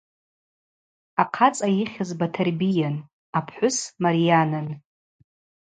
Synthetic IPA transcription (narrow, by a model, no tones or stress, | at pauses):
aqʰat͡sʼajiχʲazbatʰarbijan | apʰħʷʊsmaɾijanan